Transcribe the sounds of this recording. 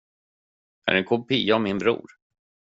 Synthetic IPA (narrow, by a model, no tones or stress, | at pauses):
æ̰ɾɛnkʰʊpiːaɔmɪnbɾṵːɾ